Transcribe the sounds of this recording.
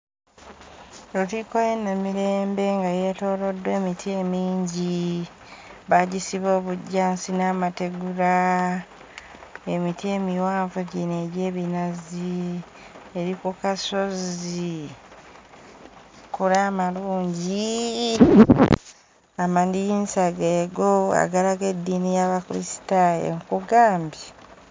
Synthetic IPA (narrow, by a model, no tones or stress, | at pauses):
ɾutiːkojenemiɾe̞ːmbe̞ŋɡajetoːlo̞dːwe̞ːmitʰie̞miːɲɟi | βaɟisiβo̞ːβuɟːaːnsinaːmate̞ɡuɾa | emitie̞ːmiwaːɱvuɟine̞ɾeːβinazi | eɾikukaso̞zi | kuɾaːmaluːɲɟi | amandijinsaɡeːɡoa̰ɡalaɡedːiːnijaβakuɾḭsi̥taḛmukuɡaːmbja